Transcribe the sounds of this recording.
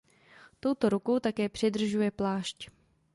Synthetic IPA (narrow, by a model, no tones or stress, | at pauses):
t̪o̞wt̪o̞ɾuko̞wt̪akɛːpr̝̥ɪd̪r̩ʒujɛplaːʃc